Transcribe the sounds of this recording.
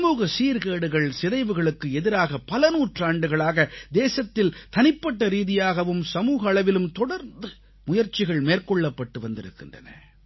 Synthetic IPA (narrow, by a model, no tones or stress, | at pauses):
sɐmuːɣɐsiːɾɣeːɽɯɣɐɭsɪðɐɪʋɯɣɐɭɯkːɯɛðɪɾaːɣɐpɐlɐnuːʈraːɳɖɯɣɐɭaːɣɐd̪eːsɐt̪ːɪlt̪ɐnɪpːɐʈːɐɾiːðɪjaːɣɐʋɯmsɐmuːɣɐːɭɐʋɪlɯmt̪ɔɽɐɾnd̪ɯ | mʊjɐɾt͡ʃːɪɣɐɭmeːrkɔɭːɐpːɐʈːɯʋɐnd̪ɪ̰ɾɯ̰kːɪndrɐ̰nɐ̰